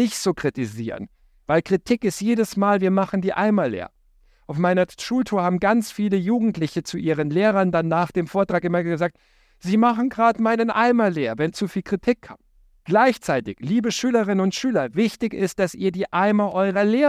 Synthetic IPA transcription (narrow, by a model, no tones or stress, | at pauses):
ɪçtz̥oːkʁ̥itiziːʁə̰n | vaɪlkʁ̥itʰɪkɪstjeːdəsmaːlviːɐmaχn̩diːʔa̰ɪmalḛːɐ | ʔaʊfmaɪnɐʃuːltʰuːɐhaːbm̩ɡant͡sfiːləjuːɡŋ̩tlɪçət͡suʔiːʁənleːʁɐndanːaːχd̥eːmfoːɐtʁ̥aːkʔɪmɐɡəzaːk̚t | z̥iːmaχn̩ɡʁaːtmaɪnənʔaɪmaleːɐvɛnt͡sufiːlkʁ̥itʰikʰːa̰m | ɡ̥laɪçt͡saɪtɪçliːbəʃyːləʁ̞ɪnənʊntʃyːlɐvɪçtɪçɪst̚d̥asiːɐdiːʔaɪmɐʔɔʏʁɐleː